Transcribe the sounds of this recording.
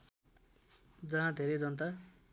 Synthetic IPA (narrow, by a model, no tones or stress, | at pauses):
d͡zʌɦãd̪ʱeɾʌjd͡zʌnt̪a